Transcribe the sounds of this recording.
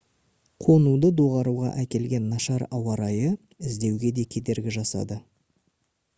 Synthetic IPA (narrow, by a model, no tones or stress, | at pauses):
qʰo̞nud̪əd̪o̞ʁɑɾuʁɑ̰ʔækʲe̞lɡʲe̞nːɑʃɑɾɑwɑɾɑjə | ɪzd̪e̞wɡʲe̞d̪e̞kʲʰe̞d̪e̞ɾɡʲɪʒɑsɑ̰d̪ə